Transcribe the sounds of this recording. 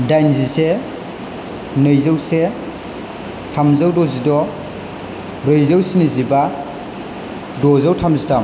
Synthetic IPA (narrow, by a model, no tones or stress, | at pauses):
dajnzise | nɯjzawse | tʰamzawdɔzidɔ | bɾɯjzawsiniziba | dɔzawtʰamzitam